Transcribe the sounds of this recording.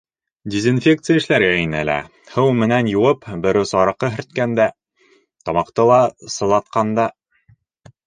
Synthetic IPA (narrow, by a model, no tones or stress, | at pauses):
dʲezinfʲekt̪sɨjəɘ̆ʃlæɾɡæinɘælæ̰ | hɤwmɘ̆nænjuwɤpbɘ̆ɾɘsɑɾɤ̆qːɤɦɘ̆ɾt̪̚kænd̪æ | t̪ɒmɑqt̪ɤlˠɑsɤ̆lˠɑt̪̚qɑnd̪ɑ